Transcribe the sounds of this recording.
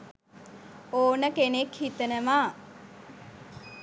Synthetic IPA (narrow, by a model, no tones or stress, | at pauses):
oːnəkenekhit̪ənəmʋaː